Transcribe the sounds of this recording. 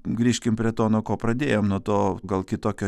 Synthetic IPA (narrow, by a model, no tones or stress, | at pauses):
ɡɾʲiːʃʲkʲɪmpʲɾʲiɛt̪oːnuːkoːpɾɐd̪ʲeːjoːmnuɔt̪oːɡɐlˠkʲɪt̪oːkʲoː